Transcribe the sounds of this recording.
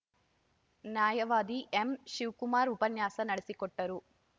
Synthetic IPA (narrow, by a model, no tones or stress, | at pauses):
njaːjɐʋaːd̪iʔemʃiʋkumaːɾupɐnjaːsɐnɐɽesikɔʈːɐɾu